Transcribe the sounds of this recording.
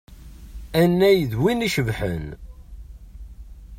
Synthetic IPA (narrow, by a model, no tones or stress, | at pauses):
ænːæjðwiniʃəvħə̰n